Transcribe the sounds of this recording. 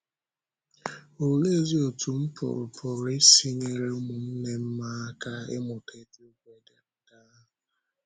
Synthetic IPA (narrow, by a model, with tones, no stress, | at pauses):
o˨le˦zi˦o˨tu˨m̩˦pʊ̰˨ɾʊ˨pʰʊ˨ɾɪ˦si˦ŋe˨ɾe˦ʊ˦mʊ˨n̩˦ne˦m̩˦ma˦ka˦ḛ˦mʊ˨te˨˦tu˦kʷe˨de˨n̩˦ka˦˨